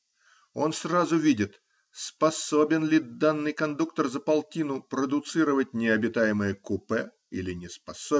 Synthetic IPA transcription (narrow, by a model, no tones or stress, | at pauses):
o̞nsrazʊvʲidʲɪt̪ | spɐso̞bʲɪnlʲɪd̪anːɨjkɐnd̪ukt̪ərzəpɐlˠtʲinʊpɾəd̪ʊt̪sɨɾəvət̚ʲnʲɪɐbʲɪt̪ajɪməjəkʊpɛ | ilʲɪnʲɪspɐso